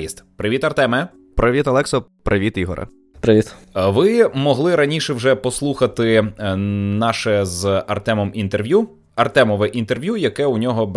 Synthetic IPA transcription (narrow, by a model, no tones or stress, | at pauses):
ist̪pɾɪʋʲit̪ɐrt̪ɛmɛ | pɾɪʋʲit̪ɐlˠɛksɔpɾʔɪʋʲit̪iɦɔ̰ɾʔɐ̰ | pɾɪʋʲit̪ʋɪmɔɦlˠɪɾɐnʲiʃɛwʒɛpɔslˠuxɐt̪ɪ | nɑʃɛzɐrt̪ɛmɔmint̪erʋʲju | ɐrt̪ɛmɔʋɛʔint̪erʋʲjujɐkɛʊnʲɔɦɔb